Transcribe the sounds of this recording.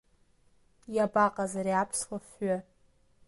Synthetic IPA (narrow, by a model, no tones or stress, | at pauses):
jabaqʼazaɾiapʰswafɥa